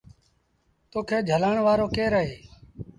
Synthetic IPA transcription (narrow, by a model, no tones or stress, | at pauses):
t̪oːkʰeːd͡ʒʱəlaːɳʋaːɾoːkeːɾəɦeː